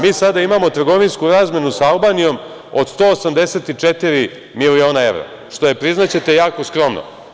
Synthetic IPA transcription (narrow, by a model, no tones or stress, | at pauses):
miːsad̪aimamo̞t̪r̩ɡo̞ʋinskuɾaːzmje̞nusaalˠbaːnijom | o̰d̪st̪o̞ːosamd̪e̞set̪it͡ʂet̪iɾi | milio̞ːnae̞ʋɾo̰ | ʂt̪o̞je̞pɾiznat͡ɕe̞t̪ejaːko̞skɾo̞mno̰